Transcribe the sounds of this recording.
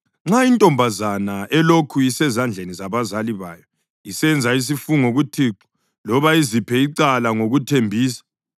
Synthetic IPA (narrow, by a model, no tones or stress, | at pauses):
ŋ͡ǁaintʼɔmbʱazanaʔɛlokʰuisɛzand͡ɮʱenizaβazaliβa̰ːjɔ | isɛnd͡zʱais̬ifuŋoɣutʰiǁɔ̥ | lɔβaizipʰɛiǀalaŋoɣutʰembʱiːsḁ